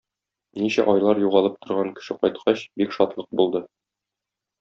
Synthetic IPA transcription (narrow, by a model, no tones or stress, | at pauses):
niɕæ̰ʔɒjlˠɑɾjuʁɑlˠɤp̚t̪ʰŏɾʁɑŋkɘ̥̆ʃɘqɒjt̪̚qʰɑɕbikʃɒt̪lˠɤq̚bulˠd̪ɤ